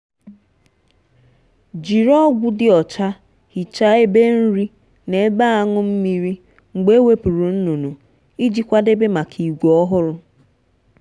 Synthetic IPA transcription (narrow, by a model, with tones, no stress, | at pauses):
d͡ʒi˨ɾɔ˦ɡʷʊ˦dɪ˦ɔ˨t͡ʃa˦ | hi˨t͡ʃa˦e˦be˦n̩˦ɾi˦ | ne˨˦ba˦a˦ŋʊ˦m̩˦mi˦ɾi˦ | ŋ͡m̩˨ɡ͡be˦we˦pu˨ɾu˨n̩˦nu˨nu˨ | i˦d͡ʒi˦kʷa˦de˦be˦ma˨kʰi˨ɡʷɔ˦ɦʊ˦ɾʊ˦